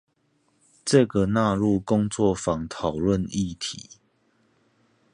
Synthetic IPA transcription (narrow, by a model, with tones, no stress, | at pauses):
ʈ͡ʂə˥˨ɡə˨na˥˧ɻu˥˨kʊ˦ŋt͡swɔ˥˨fɑ˨˦ŋt̪ʰɑ˨˩ʊlwə˥˨ni˥˨t̪ʰi˨˦